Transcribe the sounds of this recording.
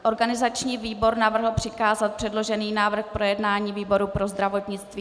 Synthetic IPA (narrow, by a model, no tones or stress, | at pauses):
ʔo̞ɾɡanɪzat͡ʃɲiːviːbo̞ɾnavr̩ɦl̩pr̥ɪkaːzat̪̚pr̥ɛdlo̞ʒɛniːnaːvr̩xpɾo̞jɛdnaːɲiːviːbo̞ɾupɾo̞zd̪ɾavo̞t̪ɲɪt͡st̪viː